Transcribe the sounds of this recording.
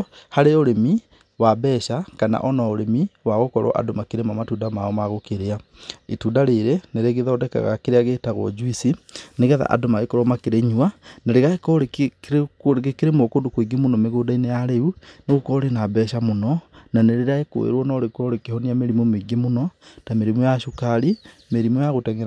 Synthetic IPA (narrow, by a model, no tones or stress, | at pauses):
haɾeoɾemi | wabɛːʃakana̰ʔɔnɔoɾemiwaɣokɔɾɔ̰ʔa̰domakeɾemamatudamaɔmaɣokeɾeaetuːdaɾeɾeneɾeɣeðɔːdɛka̰ɣa̰keɾeaɣeːtaɣɔ̰d͡ʒuisineɣɛða̰ʔa̰domaɣekɔɾɔmakeɾeɲuaneɾeɣaekɔɾekɾoɾɡekeɾemokondokoiɡemonɔmeɣoːdainejaɾeuneɣokɔɾenabɛːʃamonɔnaneɾeɾaeko̰ḛɾwɔnɔɾekɔɾekehɔniameɾimomeɡemonɔtameɾimojaʃokaɾimeɾimojaɣotɛŋɛ